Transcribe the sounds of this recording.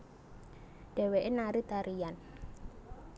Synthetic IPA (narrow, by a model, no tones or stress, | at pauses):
ɖ̥ɛ̤weʔenaɾit̪aɾijan